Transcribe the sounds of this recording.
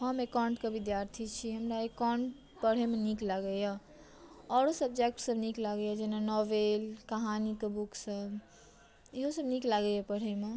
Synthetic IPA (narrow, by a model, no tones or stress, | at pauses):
ɦəmekaɳʈkebid̪jaɾt̪ʰit͡ʃʰiɦəmɾaekɔɳʈ | pəɽ̤emeniklaɡəja | ɔːɾosəb̚d͡ʒek̚ʈsəbniklaɡəjad͡ʒɛnanɔʋelkəɦanikebuksəb | iɦosəbniklaɡəjapəɽ̤eme